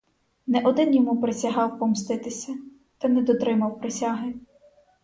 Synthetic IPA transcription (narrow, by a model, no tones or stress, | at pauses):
nɛʔɔd̪ɪnjɔmupɾesʲɐɦɑwpɔmst̪ɪt̪ɪsʲɐ | t̪ɐnɛd̪ɔt̪ɾɪmɐwpɾesʲaɦɪ